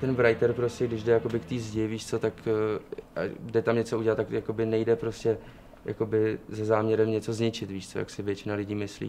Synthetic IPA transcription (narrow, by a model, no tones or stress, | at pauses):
t̪ɛnvɾajt̪ɛɾpɾoscɛɡdɪʒdɛjako̞bɪkt̪iːzɟɪviːʃt͡so̞t̪akː | ʔadɛt̪amɲɛt͡so̞uɟɛlat̪ːakjako̞bɪnɛjdɛpɾo̞scɛ | ja̰ko̞bɪzazaːmɲɛɾɛmɲɛt͡so̞zɲɪt͡ʃɪt̪viːʃt͡so̞ja̰ksɪvjɛt͡ʃɪnalɪɟiːmɪslḭː